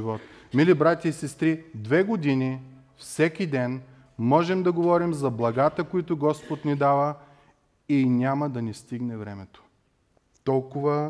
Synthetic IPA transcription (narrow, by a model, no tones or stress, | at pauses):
vɔt̪ | milibɾat̪ʲɐisɛst̪ɾid̪vɛɡod̪inʲi | fsɛkʲid̪ɛn | mɔʒɛmd̪ɐɡovɔɾimzɐblˠɐɡat̪əkoit̪ʊɡɔspot̪nid̪avə | inʲaməd̪ɐnist̪iɡnɛvɾɛmɛt̪o̥ | t̪ɔlˠkʊvə